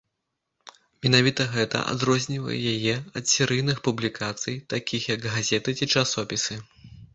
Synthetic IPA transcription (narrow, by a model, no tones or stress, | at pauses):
mʲinavʲit̪ɐɣɛt̪ɐ̰ʔa̰d̪ɾɔzʲnʲivɐ̰jɛ̰jajɛɐt̪sʲɛɾɨjnɨxpublʲikʰat̪sɨjt̪akʲʰixjɐɡɣazʲɛt̪ɨt͡sʲit͡ʂasɔpʲisɨ